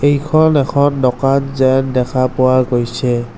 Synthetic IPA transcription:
ejkʰɔnɛkʰɔndɔkanzɛndɛkʰapʊwaɡojsɛ

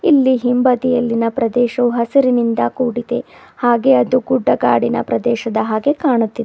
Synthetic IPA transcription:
ilːiɦimbɐd̪ijɐlːinɐpɾɐd̪ɛːʃɐʋuɦɐsiɾinind̪ɐkuːɽit̪ehaːɡe̞ɐd̪uɡuɖːɐɡaːɽinɐ̰pɾɐd̪ɛːʃɐd̪ɐɦaːɡe̞kaːɳut̪ːid̪e

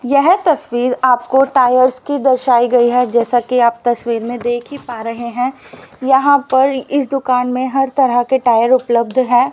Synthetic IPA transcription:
jɛɦt̪ɐswiːɾaːpkoʈaːjəɾskid̪ɐɾʃaːiɡɐiɦɛd͡ʒɛːsakiaːp̚t̪ɐswiːɾmẽd̪eːkʰipaːɾɐɦeɦɛ̃ːjɐɦãpɐɾɪs̬d̪ʊkaːnmẽɦɐɾt̪ɐɾəkeʈaːjəɾʊpləb̚d̪ʱɦɛ̃ː

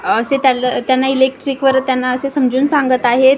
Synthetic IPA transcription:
əset̪jalt̪janːailek̚ʈɾikʋəɾt̪janːaəsesəmd͡ʑuːnsãŋɡət̪aɦet̪

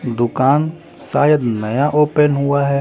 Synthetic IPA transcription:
d̪ʊkaːn | sa̰ːjəd̪nɐjaʔoːpənɦʊaɦɛ

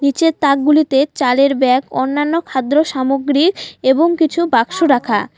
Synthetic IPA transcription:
nit͡ɕet̪ak̚ɡulit̪et͡ɕaleɾbɛko̰nːanːokʰad̪ɾoʃamoɡɾikeboŋkit͡ɕʰubakʃoɾakʰa̰

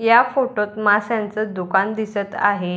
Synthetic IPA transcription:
jafoʈot̪masjant͡səd̪ukand̪isət̪aɦe

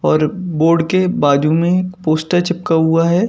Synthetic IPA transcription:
ɔːɾboːɾɖkebaːd͡ʒũmẽekpoːsʈəɾt͡ʃɪp̚kaɦuaɦɛː

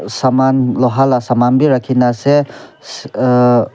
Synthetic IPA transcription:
samanlɔɦalasamanbiɾakʰinase

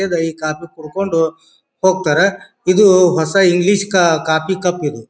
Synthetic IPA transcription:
ɐd̪ɐiːkaːpikuɽkoɳɖu | hoːɡ̚t̪aːɾe | id̪uɦɔsɐiŋɡliʃkɐkaːpikɐpːid̪u

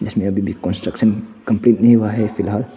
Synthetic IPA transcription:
d͡ʒɐsmeabibikɔ̃nsʈɾəkʃənkəmpliʈ̚niʋaɦefilɦal

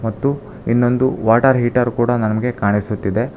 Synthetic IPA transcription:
mɐt̪ːu | inːo̞nd̪uʋaːʈɐɾɦiːʈɐɾkuːɽɐnɐmɐɡe̞kaːɳisut̪ːid̪e̞

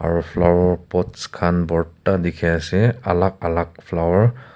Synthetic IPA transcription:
a̰ɹupʰlawɔɹpɔtskʰanbɔɹtadikʰɛasɛa̰lak̚alak̚pʰlawaɹ

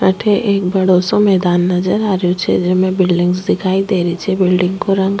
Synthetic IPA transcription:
əʈʰeʔeːk̚bɐɽoːsõmɛːd̪aːnːɐd͡ʒəɾaːɾəjot͡ʃʰḛd͡ʒemẽbɪlɖɪ̃ŋɡzd̪ɪkʰaːid̪eːɾəit͡ʃʰebɪlɖɪ̃ŋɡkoɾə̃ŋɡ

